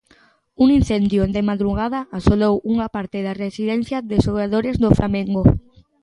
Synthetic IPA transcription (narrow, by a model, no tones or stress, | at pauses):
uŋinθend̪jod̪emaðɾuɣ̞aðaːsolowuŋapaɾt̪ɪðaresiðɛn̟θjaðesoɣaðoɾezðoflʔamẽŋɡo